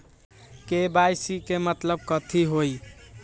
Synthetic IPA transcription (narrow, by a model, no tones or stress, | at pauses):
kebajsikemət̪ləb̚kət̪ʰiɦoj